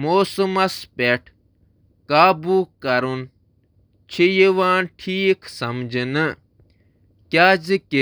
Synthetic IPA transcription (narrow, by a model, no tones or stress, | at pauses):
moːsɨmɐspeʈʰ | kaːbuːkɐɾun | t͡ʃʰijiʋaːnʈʰiːksɐmd͡ʒinɨ | kjaːd͡ʒike